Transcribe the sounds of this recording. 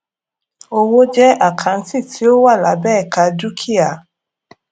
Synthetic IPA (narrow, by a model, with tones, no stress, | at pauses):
o˨wo˦d͡ʒɛ˦ʔa˨kʰa˨n̩˦si˦˨tʰi˨˦o˦wa˦˨la˨bɛ˦˨ka˨du˦kʰi˦a˨